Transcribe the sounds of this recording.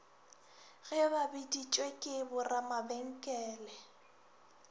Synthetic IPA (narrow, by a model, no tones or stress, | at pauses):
ɣɪbabidit͡ʃʼwekʼɪbʊramabeŋ̩kʼɛːlɛ